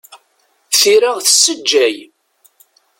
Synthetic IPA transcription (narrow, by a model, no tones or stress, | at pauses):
θiɾaʁθəsːəd͡ʒːæj